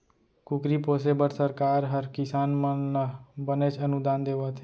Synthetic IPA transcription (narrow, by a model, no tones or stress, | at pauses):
kʊkɾiːpoːsebəʈsəɾkaːɾɦəɾkɪsaːnm | bənet͡ʃənʊd̪aːnd̪eːʋat̪ʰe